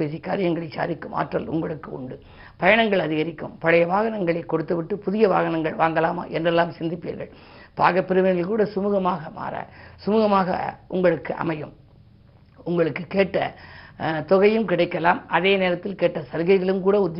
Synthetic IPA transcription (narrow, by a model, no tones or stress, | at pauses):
eːsikːa̰ːɾɪjɐŋɡɐɭɐɪt͡ʃːa̰ːɾɪkːɯma̰ːʈrɐ̰lʊ̰ŋɡɐɭɯkːɯʊ̰ɳɖɯ | pɐjɐɳɐŋɡɐɭɐðɪɣɐɾɪkːɯ̰mpɐɻɐjɐʋaːɣɐnɐŋɡɐɭɐɪkːɔɽɯt̪ːɯʋɪʈːɯpʊðɪjɐʋa̰ːɣɐnɐŋɡɐɭʋaːŋɡɐlaːma̰ːʔɛndrɛlːaːmsɪnd̪ɪpːḭːɾɣɐ̰ɭ | pa̰ːɣɐpːɪɾɯʋɐnɪlkuːɽɐsʊmuːɣɐmaːɣɐma̰ːɾɐ̰sʊmuːɣɐmaːɣɐ̰ʔʊŋɡɐɭɯkːɯʔɐ̰mɐjɯm | ʊŋɡɐɭɯkːɯkeːʈːɐ̰ | t̪ɔɣɐjɯmkɪɽɐɪkːɐlaːmɐðeːneːɾɐt̪ːɪlkeːʈːɐsɐɾɣɐɪɣɐɭɯmkuːɽɐʊd̪